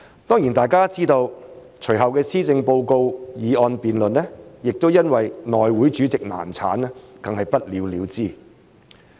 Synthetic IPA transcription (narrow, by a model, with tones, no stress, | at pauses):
t̪ɔː˥ŋji˨˩nt̪aː˨jkaː˥t͡siː˥t̪o˧w | t͡ʃʰɵ˨˩jɦɐ˨wkɛː˧siː˥t͡sɪ˧ŋpo˧wko˧wjiː˨˧ʔɔː˧npiː˨nlɵ˨nːɛː˥jɪ˨k̚t̪o˥wjɐ˥nwɐ˨jnɔː˨jwuː˨˥jt͡ʃyː˨˥t͡sɪ˨k̚na̰ː˨˩nt͡sʰa̰ː˨˥nɛ˥kɐ˨ŋhɐ˨jpɐ˥t̚liː˨˧wliː˨˧wt͡siː˥˩